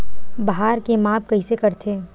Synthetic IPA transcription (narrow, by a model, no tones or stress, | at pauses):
bɐɦaːɾkemaːp̚kɐɦisekɐɾt̪ʰeː